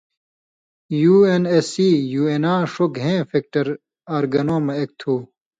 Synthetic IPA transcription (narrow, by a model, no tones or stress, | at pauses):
juːenesiːjuːenãːʂokɦẽːfek̚ʈɐɾ | aːɾɡɐnoːmɐek̚t̪ʰuː